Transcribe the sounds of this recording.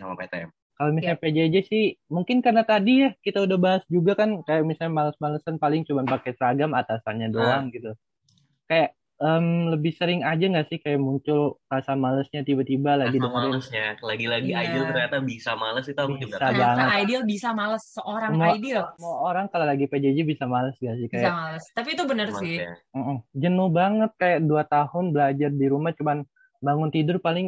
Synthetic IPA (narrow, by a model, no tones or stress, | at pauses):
sama̰pet̪ɛm | kalomisalɲaped͡ʒaid͡ʒɛsɪhmuŋkɪnkarnat̪adijahkit̪audahbaɦasd͡ʒuɡakankajaʔmisaɲamaləsmaləsanpalɪŋt͡ʃumanpakɛt̪əɾaɡamat̪asanɲadoaŋɡit̪u | kajaʔ | əmləbɪhsəɾɪŋad͡ʒaŋɡaʔsɪhkajaʔmuɲt͡ʃʊlrasamaləsɲat̪ibat̪ibalaɡidəŋəsɲalaɡilaɡiajdɪlərat̪abisamaləsit̪uabmuusabaŋət̪ajdɪlbisamaləsːəʔoɾaŋmdɪlmuaoɾaŋkalalaɡiped͡ʒad͡ʒibisamaləsɡaʔsɪhkajaaləst̪apit̪ubənərsɪm̩m̩d͡ʒənʊhbaŋət̪̚kajaʔduat̪ahʊnbəlad͡ʒardiɾumaht͡ʃuman | baŋʊnt̪idʊrpalɪŋ